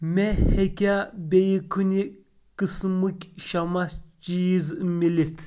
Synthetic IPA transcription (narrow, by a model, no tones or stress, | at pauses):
mɛhekʲabejikʰunʲi | kɨsmukʲʼʃamat͡ʃijizmilit̪ʰ